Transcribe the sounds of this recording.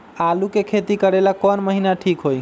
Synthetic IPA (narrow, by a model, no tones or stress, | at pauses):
alukekʰet̪ikəɾelakɔnməɦinaʈʰikɦoj